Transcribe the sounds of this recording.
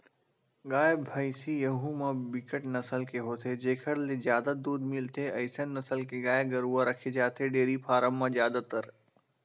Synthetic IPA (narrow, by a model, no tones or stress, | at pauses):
ɡaːjəbʱaːisijɐɦũmãbɪkəʈnɐsəlkeɦoːt̪ʰed͡ʒeːkʰəɽlezjaːd̪ad̪uːd̪mɪlt̪ʰeɐɪsənːɐsəlkeɡaːeɡɐɾuːaɾɐkʰed͡ʒaːt̪ʰeɖeːɾipʰaːɾəmːãzjaːd̪at̪ɐɾ